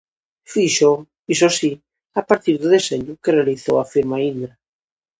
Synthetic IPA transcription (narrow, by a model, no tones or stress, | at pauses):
fiʃo | isosi | apaɾt̪iɾðʊðeseɲʊkerealiθo̰wafiɾmaind̪ɾa